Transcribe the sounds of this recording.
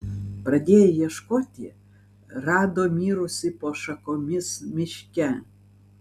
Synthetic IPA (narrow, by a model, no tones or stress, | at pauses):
pɾɐd̪ʲeːjɛjɛʃkoːt̪ʲi | rɑːd̪omʲiːɾʊsʲɪpoʃɐkomʲɪsmʲɪʃʲkʲɛ